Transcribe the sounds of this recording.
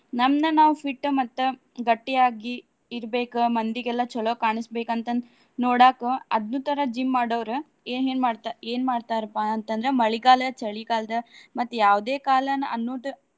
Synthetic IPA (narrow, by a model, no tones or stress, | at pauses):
nɐmnɐnaːʋupʰiʈːmɐt̪ːu | ɡɐʈːiaːɡiː | ɾbeːkumɐnd̪iɡɛlːɐt͡ʃɔɭokaːɳɐsbeːkɐnt̪ɐ | noːɽaːkuɐd̪nuːt̪ɐɾɐd͡ʒimːaːɽoːʋɾu | eːneːnmaːɖt̪aeːnmaːɖt̪aːɾɐpːaɐnt̪ɐnd̪ɾemɐɭiɡaːlɐɐt͡ʃɐɭikaːlɐd̪ɐmɐt̪ːujaːʋd̪eːkaːlɐnɐɐnːuːʈu